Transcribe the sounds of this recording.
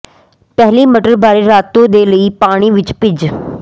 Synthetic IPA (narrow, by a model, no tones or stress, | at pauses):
pɛɦliːməʈəɾbaːɾeːɾaːt̪ːõːd̪eːləiːpaːɽ̃iːʋɪt͡ʃpɪd͡ʒ